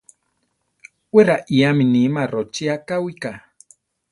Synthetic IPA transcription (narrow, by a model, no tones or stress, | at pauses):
weɾaʔiaminimaɾot͡ʃiakawika